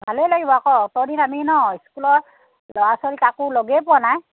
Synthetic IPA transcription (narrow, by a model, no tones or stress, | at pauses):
bʱalejlaɡibɔakɔtɔɾinaminɔiskulɔɹ | lɔwasɔlikakʊlɔɡɛpʊanaj